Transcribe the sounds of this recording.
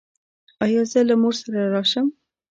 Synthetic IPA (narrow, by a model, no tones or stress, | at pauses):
ɑjɑzəlamuɾsaɾaɾɑʃəm